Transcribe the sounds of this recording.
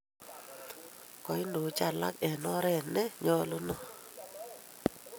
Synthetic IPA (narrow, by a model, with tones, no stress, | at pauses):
kɔ˨i˦ndo˨˦t͡ʃa˨la̰˦kɛ˨nɔ˦ɾɛ˦˨nɛ˦ɲɔ˦lo˦nɔ˨